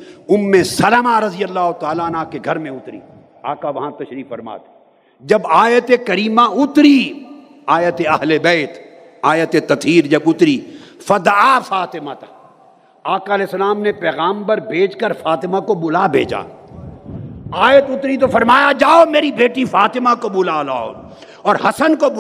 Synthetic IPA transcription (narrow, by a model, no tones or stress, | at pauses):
ʊmːẽsɐlamaɾɐzɪjəlːaːɦot̪aːlanaːkeɡʱɐɾmẽʊt̪ɾḭː | a̰ːkaʋɐɦãt̪ɐʃɾiːkfɐɾma̰ːt̪ʰe̥ | d͡ʒɐbaːjət̪ekɐɾiːmãʊt̪ɾi | aːjət̪eɐɦlebɛːt̪ | aːjət̪et̪ɐt̪ɦiːɾd͡ʒɐbʊt̪ɾiːfɐd̪afaːt̪ɪmat̪ʰḁ | aːkaɐlɛːsɐlaːmnepɛːɣaːmpɐɾbʱeːd͡ʒkəɾfaːt̪ɪmakobʊlabʱḛːd͡ʒa̰ː | aːjət̪ʊt̪ɾit̪̬ofɐɾmaːjad͡ʒaːomeːɾibʱeːʈifaːt̪ɪmakobʊlalaːo̰ | ɔːɾɦɐsənkob